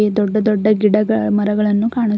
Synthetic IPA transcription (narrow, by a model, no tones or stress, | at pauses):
ed̪ɔɖːɐd̪ɔɖːɐɡiɽɐɡɐmɐɾɐɡɐɭɐnːukaːɳi